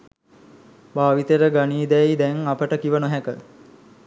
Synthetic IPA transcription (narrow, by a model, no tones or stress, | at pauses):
baːʋit̪eɾəɡaniːd̪ɛjd̪ɛŋapəʈəkiʋənoɦɛkə